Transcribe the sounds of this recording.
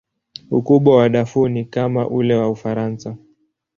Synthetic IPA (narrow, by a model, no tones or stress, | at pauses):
ukuɓwawaɗafunikamaʔulɛwaufaɾansa